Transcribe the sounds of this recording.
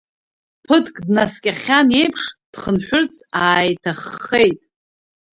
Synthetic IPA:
pʰɨtʰkʼdnaskʲʼaχʲane̞jpʰʂd̥χənħʷᶣʊrt͡sʼaːjtʰaχːejtʼ

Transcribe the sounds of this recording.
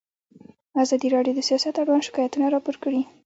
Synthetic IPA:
azɑd̪iɾɑɖjod̪əsijɑsat̪aɾwɑnʃɪ̥kɑjat̪unaɾɑpoɾkəɽi

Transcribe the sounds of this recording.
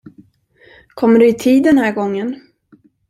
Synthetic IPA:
kʰɔmːəɖɵɪt̪ʰiːd̪ːɛnhæːɾɡɔŋːən

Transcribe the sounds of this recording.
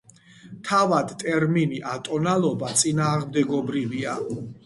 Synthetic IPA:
t̪ʰavad̪t̪ʼɛɾminiʔat̪ʼɔnalˠɔbat̪sʼinaːʁmd̪ɛɡɔbɾivia

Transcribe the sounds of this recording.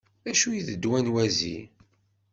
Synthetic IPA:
æʃujiðəd̪ːwænwæzḭ

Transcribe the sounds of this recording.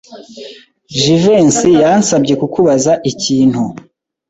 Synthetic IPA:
ʒivensijansabɟe̞kukuβazaʔiciːn̥hu

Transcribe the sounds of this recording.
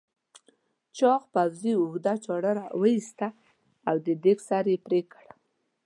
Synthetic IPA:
t͡ʃɑxpawziʊxd̪at͡ʃɑɽəɾawəist̪aː | wd̪əd̪eksaɾjepɾekəɽ

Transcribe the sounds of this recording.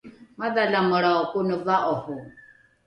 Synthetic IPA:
maðalamʊɺaɔkʼʊnɔvaʔɔhʊ

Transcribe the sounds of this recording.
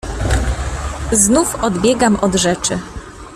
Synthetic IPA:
znufɔd̪bʲjɛɡamʔɔd̪ʐɛt͡ʂɘ

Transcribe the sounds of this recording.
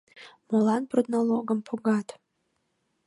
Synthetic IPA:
molˠanpʰrod̪nolˠoɡəmpʰoɡatʰʼ

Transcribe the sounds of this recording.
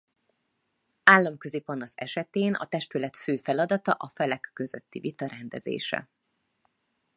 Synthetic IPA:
aːlːɒmkøzipɒnɒsɛʃɛt̪eːnɒ̰t̪ɛʃt̪ylɛt̪føːfɛlɒd̪ɒt̪ɒʔɒfɛlɛkːøzøt̪ːivit̪ɒɾɛnd̪ɛzḛːʃɛ̰

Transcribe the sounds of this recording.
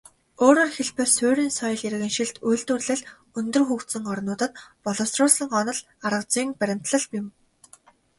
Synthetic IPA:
oːɾoːrxeɮpɘ̆sʊːɾʲiːnsɔj̆ɮiɾ̆ɣɘ̆ŋʃiɮt̪uj̆ɬt̪urɮɘ̆ɮ | ɵnt̪ɵ̆rxuːkt̪sɘ̆ŋɔrnʊːt̪ə̆t̪̚pɔɮɔ̆ːsrʊːɮsə̆ŋɢɔnɞ̆ɮ | aɾə̆t͡siːŋpæɾʲɪ̆m̥t̪ɮə̆ɮpjɪ̆m

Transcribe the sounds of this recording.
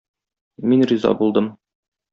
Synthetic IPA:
minrizɑ̰bulˠd̪ɤm

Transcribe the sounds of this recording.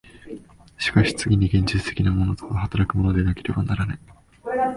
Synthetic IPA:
ɕi̥kaɕi̥t͡sɨɡʲiɲ̟iɡẽ̞ɲ̟d͡ʑit͡sɨ̥t̪e̞̥kʲinamo̞no̞t̪okahat̪aɾakɯ̟mo̞no̞d̪enake̞ɾe̞banaɾanẽ̞

